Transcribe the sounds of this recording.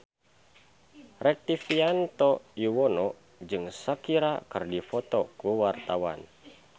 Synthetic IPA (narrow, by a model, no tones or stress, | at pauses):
rɛk̚t̪ifiant̪ɔiwɔnɔ | d͡ʒɨŋsakiɾakɨrdifɔt̪ɔkuwart̪awa̰n